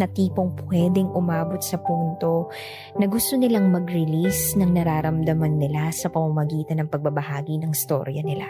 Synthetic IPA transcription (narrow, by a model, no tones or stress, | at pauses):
nɐt̪iːpo̞ŋpwɛːd̪ɛŋʔʊmaːbo̞t̪̚sɐpuːnt̪o̞ | nɐɡʊst̪o̞nɪlaŋmɐɡɾɪlisnɐŋnɐɾaːɾɐmd̪ɐmɐnːɪlasɐpɐmɐmɐɡiːt̪ɐnɐŋpɐɡ̚bɐbɐhaːɡinɐŋɪst̪o̰ɾjɐnɪla